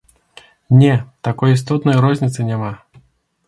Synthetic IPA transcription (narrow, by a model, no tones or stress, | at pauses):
nʲɛt̪akɔjis̬t̪ɔt̪nɐjɾɔzʲnʲit̪sɨnʲama